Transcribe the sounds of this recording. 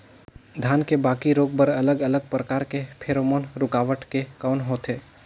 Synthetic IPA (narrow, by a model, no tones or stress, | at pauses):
d̪ʱjaːnkebaːkiɾoːɡ̚bəɾɐləɡɐləɡ̚pɾəkaːɾkepʰeːɾoːmoːnɾʊkaːʋəʈkekaːnɦoːt̪eː